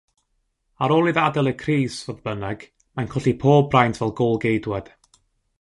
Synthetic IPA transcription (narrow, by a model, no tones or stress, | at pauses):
aɾoːlˠiðadəlˠəkʰriːsvoðbənəɡ̥ | mankʰʊɬipʰoːbrajntʰvɛlˠɡolˠɡejdwɛd̥